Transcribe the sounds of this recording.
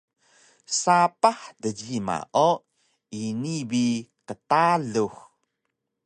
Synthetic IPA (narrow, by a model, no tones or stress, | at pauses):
sapaħdəɟima̰ʔo | inibikətaɮux